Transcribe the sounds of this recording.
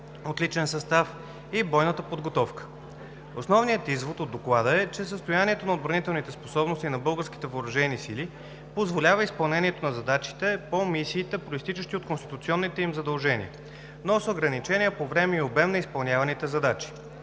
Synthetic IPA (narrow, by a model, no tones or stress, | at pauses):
ot̪lit͡ʃɛnsɐst̪af | ibɔjnət̪əpod̪ɡot̪ɔfkə̥ | osnɔvnijət̪izvot̪od̪ːoklˠad̪əɛt͡ʃɛs̬əst̪ojaniɛt̪onɐod̪̚bɾɐnit̪ɛlˠnit̪ɛsposɔbnost̪inɐbɤlˠɡəɾsk̟ʲit̪ɛvəːɾɐʒɛnisili | pozvolʲavəispɐlˠnɛniɛt̪onɐzɐd̪at͡ʃi̥t̪ɛpomisiːt̪ɛpɾoist̪it͡ʃəʃt̪iot̪̚konst̪it̪ut̪siɔnːit̪ɛimzɐd̪ɐlˠʒɛnḭə | nosoɡɾɐnit͡ʃɛnʲiəpovɾɛmɛiobɛmnɐispɐlˠnʲavɐnit̪ɛzɐd̪at͡ʃi̥